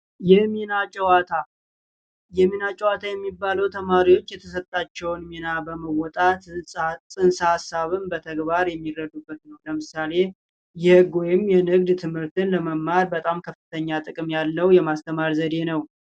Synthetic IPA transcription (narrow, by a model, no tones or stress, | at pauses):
jɛmenat͡ʃʼɛwat̪ʰa | jɛmenat͡ʃʼɛwat̪ʰajɛmːibːaləwt̪ʰəmaɾiwo̞t͡ʃːjɛt̪ʰəsət̪ʼːat͡ʃːɛwnmenabəməwɔt̪ʼat̪sʼɨnsəhasːaβɨmbət̪ʰəɡbaɾjɛmːirːəd̪ubːət̪nəwləmɨsale̞ | jɛhɨɡojɪmjɛnɨɡd̪t̪ʰɨmhɨɾt̪ʰɨnləməmːaɾbət̪ʼamkʰəfːɨt̪ʰəɲːat̪ʼɨkʼɨmjalːəwjɛmast̪ʰəmaɾzəd̪e̞nəw